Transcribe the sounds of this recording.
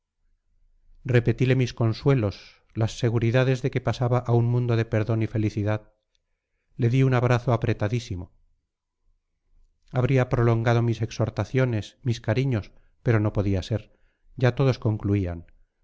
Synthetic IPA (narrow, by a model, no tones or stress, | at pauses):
re̞pe̞t̪ile̞misko̞nswe̞lo̞s | lasːe̞ɣuɾiðaðe̞zðe̞ke̞pasaβaʔauŋmũnd̪o̞ðe̞pe̞ɾðo̞nife̞liθiðað | le̞ðiunaβɾaθoapɾe̞t̪aðisimo̞ | aβɾiapɾo̞lo̞ŋɡað̞omise̞kso̞ɾt̪aθjo̞ne̞smiskaɾiɲo̞s | pe̞ɾo̞no̞po̞ðiase̞ɾ | ɟ͡ʝat̪o̞ðo̞sko̞ŋkluian